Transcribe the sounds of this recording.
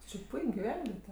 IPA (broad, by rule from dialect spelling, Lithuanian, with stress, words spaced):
tʲɪ t͡ʃʲɪ ˈpʊɪkʲ ɡʲɪˈʋʲɛnʲʋʲiɛtʲɛ